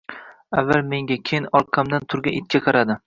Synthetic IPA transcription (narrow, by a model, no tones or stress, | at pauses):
avːalme̞ŋɡʲakʲʰejɪnɒlˠqʰːɑmd̪ant̪ʰʊɾɡʲaɪt̪̚kʲʰaqʰɑɾad̪ɪ